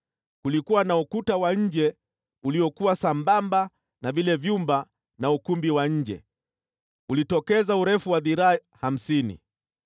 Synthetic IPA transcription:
kulikuwanaukutawaɲ̩d͡ʒɛ | uliɔkuwasambamba | navilɛvjumba | naukumbiwaɲ̩d͡ʒɛ̰ | ulitɔkɛzauɾɛfuwaðiɾaːham̩sinḭ

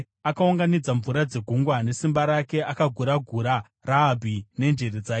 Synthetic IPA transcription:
akauŋɡanid͡zaɱvuɾad͡ze̞ɡʱuŋɡwane̞simbaɾake̞ʔakaɡʱuɾaɡʱuɾa | raːbʱine̞nd͡ʒe̞ɾed͡zaː

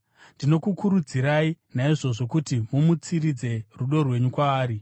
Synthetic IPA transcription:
ndino̞kukuɾud͡ziɾainaiʐo̞ʐo̞kutimumut͡sirid͡ze̞ruɗo̞rwe̞ɲukwaːɾi

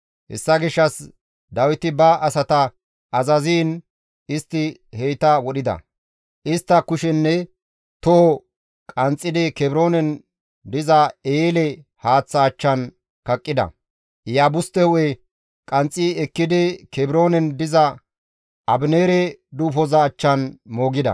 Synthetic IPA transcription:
hɛ̰sːɐɡɪʃːɐs | d̪ɐwɪt̪ɪbɐʔɐsɐt̪ɐ | ɐzɐziːn | ɪst̪ːɪhɛjt̪ɐwɔɗɪd̪ɐ̰ | ʔɪst̪ːɐkʊʃɛnːɛ | t̪ɔhɔ | kʼɐnt͡sʼːɪd̪ɪkɛbɪɾo̞ːnɛn | d̪ɪzɐeːlɛ | haːt͡sːɐːt͡ʃːɐn | kɐkʼːɪd̪ɐ̰ | jaːbʊst̪ɛhʊwɛ | kʼɐnt͡sʼːiːɛkːɪd̪ɪkɛbɪɾo̞ːnɛnd̪ɪzɐ | ʔɐbneːɾɛd̪uːfɔzɐːt͡ʃːɐnmo̞ːɡɪd̪ɐ̰

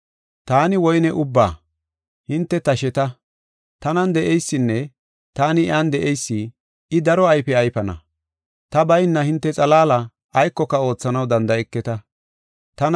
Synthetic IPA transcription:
t̪aːnɪwɔjnɛʔʊbːa̰ː | hɪnt̪ːɛt̪ɐʃɛt̪ɐ | t̪ɐnɐnd̪ɛʔɛjsːɪnːɛ | t̪aːnɪand̪ɛʔɛjsːɪ | ɪd̪ɐɾɔɐjpɛɐjpɐnɐ̰ | t̪ɐbɐjnːɐhɪnt̪ːɛt͡sʼɐlaːlɐ | ʔːjkːɔkːɐo̞ːt͡sːɐnɐwd̪ɐnd̪ɐɛkːɛt̪ɐ | t̪ɐn

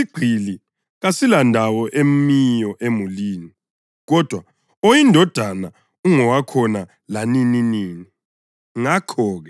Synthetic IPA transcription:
iɡ͡ǀʱili | ɣasilandʱawɔʔem̩mijɔʔemuliːni | ɣɔd̥ʱwa | ojindʱɔd̥ʱana | uŋɔwakʰɔna | lanininiːni | ŋakʰɔːɣɛ

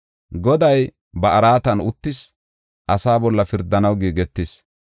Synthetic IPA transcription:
ɡɔd̪ɐj | bɐʔɐɾaːt̪ɐnʊt̪ːɪs | ʔɐsaːbɔlːɐfɪɾd̪ɐnɐwɡiːɡɛt̪ːɪs

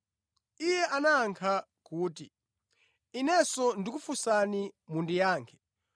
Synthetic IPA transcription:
ijɛʔanaːŋkʰa | kuːti | inɛsɔndikufusanimundijaːŋkʰɛ̥

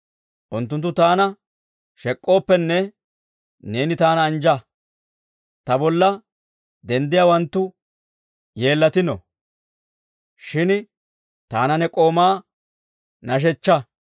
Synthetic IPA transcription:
ʔʊnt̪ːʊnt̪ːʊt̪aːnɐ | ʃɛkʼːo̞ːpːɛnːɛ | ne̞ːnɪt̪aːnɐːnd͡ʒɐ | t̪ɐbɔlːɐ | d̪ɛnd̪ɪjaːwɐnt̪ːʊ | je̞ːlːɐt̪ɪnɔ̰ | ʃɪn | t̪aːnɐnɛkʼo̞ːmaː | nɐʃ̬ɛt͡ʃːɐ

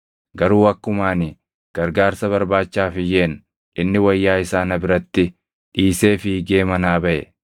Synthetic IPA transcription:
ɡɐɾuːɐkːʊmaːnɪ | ɡ̥ɐɾɡaːɾsɐβɐɾbaːt͡ʃːaːfɪjeːn | ᶑɪnːɪwɐjːaːɪsaːnɐbɪɾɐt̪ːɪ | ᶑiːse̞ːfɪɡe̞ːmɐnaːbɐʔɛ̰

